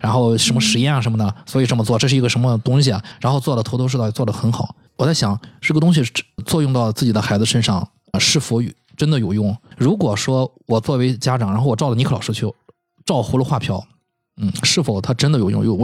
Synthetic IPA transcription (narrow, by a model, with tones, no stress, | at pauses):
ɻa˧˥nxo˥˧ʊʂə˧˥nmə˧ʂɻ̩˧˥jɛ˥˩na˨˩ə˧˥nmə˧nə˩swɔ˧˥i˨˩ʈ͡ʂɤ˥˩mə˩t͡swɔ˥˩ʈ͡ʂɤ˥˧ʂɻ̩˩˧˥ɡə˧ʂə˧˥nmə˧t̪ʊ˥ŋɕi˨˩ɐ˩ɻa˧˥nxo˥˧ʊt͡swɔ˥˩lə˩t̪ʰo˧˥ʊt̪ʰo˥ʂ̬̩˥˧t̪ɑ˥˩t͡swɔ˥˩d̪ə˩xə˧˥nxɑ˨˩˦ʊ | wɔ˨˩t͡sa˥˩ɪɕjɑ˨˧˥ŋʈ͡ʂ̩˥˩ɡə˩t̪ʊ˥ŋɕ̬i˨˧t͡swɔ˥˧jʊ˥˧ŋt̪ɑ˥˧ʊt͡sɹ̩˥˩t͡ɕi˨˩d̪ə˧˦xa˧˥ɪd͡zɹ̩˧ʂə˥nʂɑ˥˩ŋ | ʂɻ̩˥˩fu˧˥˨ | ʈ͡ʂə˥nd̪ə˨jo˨˩ʊjʊ˥˩ŋɻu˧˥kwɔ˨˩ʂwɔ˥wɔ˨˩t͡swɔ˥˩we˧˥ɪt͡ɕja˥ʈ͡ʂɑ˨˩ŋɻa˧˥nxwɔ˨˩ʈ͡ʂɑ˥˩ʊdə˩ni˧˥˩ɑ˨˩ʊʂɻ̩˥t͡ɕʰy˥˩ | ʈ͡ʂɑ˥˧ʊxu˥lə˧xwa˥˧pʰjɑ˥˩ʊ | n̩˥˩ʂɻ̩˥˩fo˨˩ʊt̪ʰa˥ʈ͡ʂə˥nd̪ə˨jʊjʊ̰˥˧ŋjʊ˥˩ŋw